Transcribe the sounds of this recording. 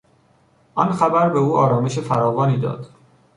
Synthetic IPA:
ʔɒnxæbæɾbeuːɒːɾɒːme̞ʃ̬efæɾɒːvɒːniːd̪ɒ̰ːd̪̥

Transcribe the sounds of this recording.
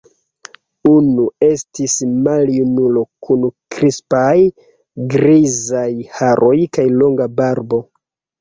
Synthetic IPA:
unue̞stismaljunulo̞kunkɾispaj | ɡɾizajhaɾʔo̞jkajlo̞ŋɡabaɾbo̞

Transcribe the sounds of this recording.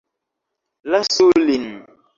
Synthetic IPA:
lasulin

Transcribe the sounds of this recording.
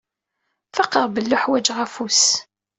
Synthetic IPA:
fɑqːəʁbəlːʊħwæd͡ʒʁæfus

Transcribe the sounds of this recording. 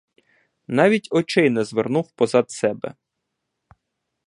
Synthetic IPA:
nɑʋʲitʲɔt͡ʃɪjnɛzʋernuwpɔzɑd̪sɛbɛ̰

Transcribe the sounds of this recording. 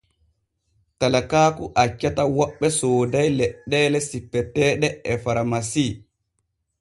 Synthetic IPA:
talakaːkuʔat͡ʃːatawɔɓːɛsoːdajlɛɗːɛːlɛsipːɛtɛːɗɛɛfaɾmasiː

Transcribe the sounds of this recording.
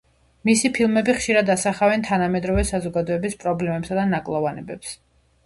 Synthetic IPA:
misipʰilˠmɛbiχʃiɾad̪asaχavɛnt̪ʰanamɛd̪ɾɔvɛsazɔɡad̪ɔɛbispʼɾɔblɛmɛpsad̪anakʼlˠɔvanɛbɛps

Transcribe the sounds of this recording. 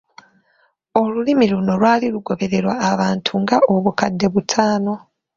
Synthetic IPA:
o̞lulimiluno̞lwaːliluɡo̞βe̞ɾe̞ɾwaːβaːntʰuŋɡaoβukadːe̞βutʰaːno̞

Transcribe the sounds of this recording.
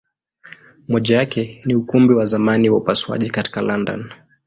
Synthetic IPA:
mɔʄajakɛniukumbiwazamaniwaupaswa̰ʄikati̥kalandɔ̰n

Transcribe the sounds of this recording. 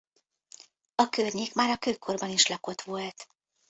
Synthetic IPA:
ɒkørɲeːkmaːɾɒkøjkʰo̞rbɒniʃlɒko̞t̪ʋo̞lt̪

